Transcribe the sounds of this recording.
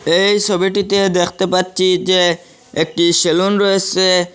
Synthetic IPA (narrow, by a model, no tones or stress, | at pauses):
ejʃɔbeʈ̬it̪ed̪ekʰt̪epatːɕʰid͡ʑe | ek̚ʈiʃelunɾoet͡ɕʰe